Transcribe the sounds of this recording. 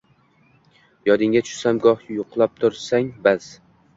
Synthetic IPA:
jɒd̪ɪŋʲat͡ʃʰʊ̥ʃsamɡɒhjʊqlˠap̚t̪ʰʊɾsaŋbaz̥

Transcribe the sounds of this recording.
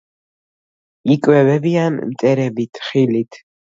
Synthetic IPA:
ikʼwɛvɛbianmt̪ʼɛɾɛbit̪ʰχilit̪ʰ

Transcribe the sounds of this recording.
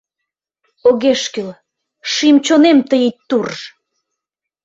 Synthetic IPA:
oɣeʃkyl | ʃimt͡ɕonemt̪əjit̪ːurʒ

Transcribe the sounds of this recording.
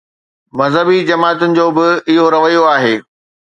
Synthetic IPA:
mɐzɦəbid͡ʑɐmaːt̪ʊnɪ̆d͡ʑoːbɪɪɦoɾɐʋəjoaːɦeː

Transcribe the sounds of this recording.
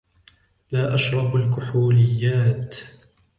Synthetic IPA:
laːʔaʃɾˤɑbalkʊħuːlɪjːaːt̪

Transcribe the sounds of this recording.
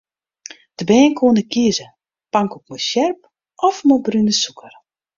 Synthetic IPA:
d̥əbɛːnkʰuənəkʰiəzə | paŋkuk̚mɔsjɛrp̚ | ʔɔfmobrynəsukʰər

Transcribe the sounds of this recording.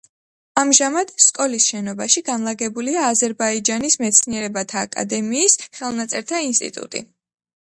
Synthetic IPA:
amʒamad̪̥skʼɔlisʃɛnɔbaʃiɡanlˠaɡɛbuliaːzɛɾbaid͡ʒanismɛt̪sʰniɛɾɛbat̪ʰaːkʼa̰d̪ɛmiːsχɛlˠnat̪sʼɛɾt̪ʰainst̪ʼḭt̪ʼṵt̪ʼḭ

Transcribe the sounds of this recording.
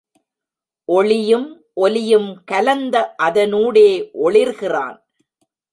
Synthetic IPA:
ʔɔɭɪjɯm | ʔɔlɪjɯmkɐlɐnd̪ɐʔɐðɐnuːɽeːʔɔɭɪɾɣɪra̰ːn

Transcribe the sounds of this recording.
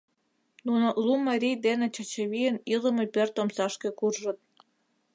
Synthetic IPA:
nunolumɑɾʲijd̪enĕt͡ɕə̆t͡ɕeβijənilə̆mĕpørt̪omsɑʃkĕkurʒə̆t̪̚

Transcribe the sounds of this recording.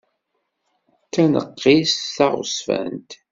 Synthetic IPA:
tːænə̰qʰːisθɑʁʊ̰sfæ̰nt̪

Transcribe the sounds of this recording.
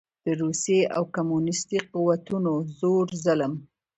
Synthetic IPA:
d̪̥əɾusjeʔa̰wkamunɪst̪iquwat̪unozoɾzələm

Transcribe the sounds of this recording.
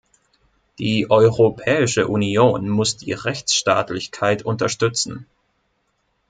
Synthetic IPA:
d̥iːʔɔʏʁopʰɛːɪʃəʔunioːnmʊsd̥ḭːʁɛçt͡sʃta̰ːtlɪçkʰaɪtʊntɐʃtʏt͡sn̩

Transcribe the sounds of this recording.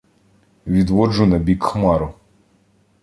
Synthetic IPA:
ʋʲid̪ʋɔd͡ʒʊnɐbʲikxmɑɾʊ

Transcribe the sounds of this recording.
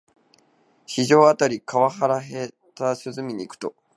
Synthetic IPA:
ɕiʑo̞ːat̪aɾʲikaβahaɾaɦe̞ | t̪aɕɨzɨmʲiɲ̟iːkɯ̟̥t̪o̞

